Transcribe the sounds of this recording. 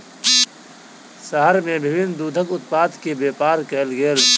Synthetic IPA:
səɦəɾmẽbʱɪbɪnd̪uːd̪ʱəkʊt̪̚paːd̪kebeːpaːɾkelɡeːl

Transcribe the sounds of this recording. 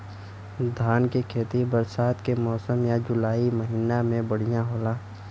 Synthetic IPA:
d̪ʱaːnkekʰeːt̪ibəɾsaːt̪kemɔːsəmjad͡ʒʊlaːiməɦiːnamẽbəɽ̤ijãɦoːlaː

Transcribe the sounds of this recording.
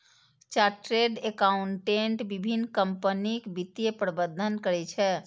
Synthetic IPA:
t͡ʃaʈɾeɖekauɳʈeɳʈbibʱinːkəmpənikbit̪jepɾəbəd̪ʱːənkəɾɛt͡ʃʰɛ

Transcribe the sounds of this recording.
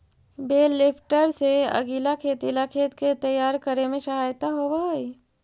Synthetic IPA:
beːlːɪpʰʈəɾseɐ̰ɡilakʰeːt̪ilakʰeːt̪ket̪ɐjaːɾkəɾemẽʃɐɦaːjət̪aɦobaːi

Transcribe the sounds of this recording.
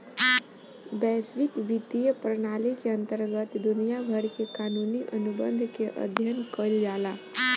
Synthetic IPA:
bɛːswɪkʋit̪ijəpɾənaːlikeə̃nt̪əɾɡət̪d̪ʊnijabʱəɾkekaːnuːniʔənubə̃nd̪ʱkeʔə̰d̪ʱjənkəld͡ʒaːlaː

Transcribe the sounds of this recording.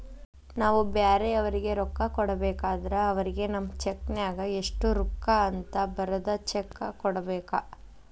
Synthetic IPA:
naːʋubaːɾeɐʋɐɾiɡe̞ɾɔkːɐkɔɽɐbɛːkaːd̪ɐɾɐɐʋɐɾiɡe̞nɐmːɐt͡ʃeknjaːɡɐeʂʈuɾukːaɐnt̪ɐbɐɾɐd̪ɐt͡ʃɛkːɐkɔɽɐbɛːkɐ

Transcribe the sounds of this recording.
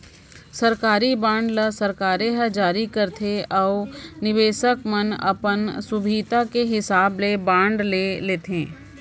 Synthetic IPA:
sɐɾkaːɾibãːɳɖləsɐɾkaːɾeɦəd͡ʒaːɾikɐɾt̪ʰeɔːʊnɪʋeːʃəkmənɐ̰pənsʊbʱiːt̪akeɦɪsaːblebãːɳɖleːleːt̪ẽː

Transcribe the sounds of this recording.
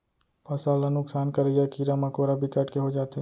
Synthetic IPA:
pɐsaːlanʊksaːnkɐɾejakiɾamakoːɾabʱikɐʈkeɦod͡ʒaːt̪e

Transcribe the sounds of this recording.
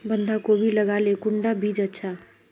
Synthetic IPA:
bənd̪ʱakobʱiləɡalekʊɳɖabʱid͡ʒətːʃʰa

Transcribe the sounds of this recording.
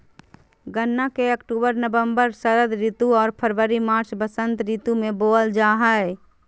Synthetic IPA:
ɡənːakeəkʈuːbəɾnəbəmbəɾsəɾəd̪ɾiːt̪uɔːɾpʰəɾʋəɾimaːɾt͡ʃbəsə̃nt̪ɾit̪umẽboːld͡ʒaːɦə

